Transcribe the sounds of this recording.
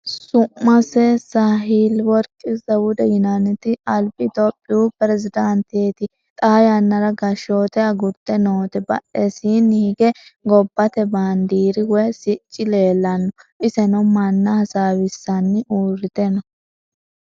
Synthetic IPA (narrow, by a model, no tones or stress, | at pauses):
sʊmːɐsɛsaːɦiːlwɔɾkʼɪzɐwʊd̪ɛjʊnanɛt̪ɪɐlpɪt̪opʼːɪjupɪɾɛzɪd̪ɐnt̪eːt̪ɪ | t̪ʼaːjɐnːɐɾɐɡɐʃo̞ːt̪ɛɐɡʊɾt̪ːɛnoːt̪ɛbɐ̰ʔɛsiːnɪɡɛɡɔbːɐt̪ɛband̪iːɾɪwɛsɪt͡ʃʼːɪle̞ːlːɐnːɔʔɪsɛnɐmɐnːɐhɐsaːwɪsːɐnːɪʔuːrɪt̪ɛnɐ